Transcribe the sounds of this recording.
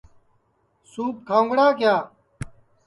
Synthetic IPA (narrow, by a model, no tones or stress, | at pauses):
suːp̚kʰaːŋɡɽaːkjaː